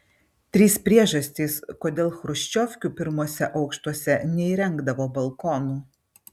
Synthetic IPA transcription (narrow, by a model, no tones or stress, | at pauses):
t̪ʲɾʲiːspʲɾʲiɛʒɐsʲt̪ʲiːskoːd̪ʲeːlˠxɾʊʃʲt͡ʃʲoːfʲkʲuːpʲɪɾmuɔsʲɛʔɐʊkʃt̪uɔsʲɛnʲɛiːɾʲɛŋɡd̪ɐʋoːbɐlˠkoːnuː